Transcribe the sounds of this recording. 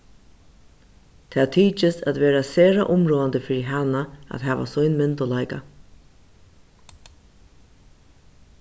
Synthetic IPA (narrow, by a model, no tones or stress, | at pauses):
t̪ʰaːt̪ʰiːt͡ʃɪsæ̰t̪ʋeːɾaseːɾa̰ʔʊmɾoːand̪əfiːɾiɦanaa̰t̪ɦæːʋa̰sɔjnmɪnt̪ɔlajka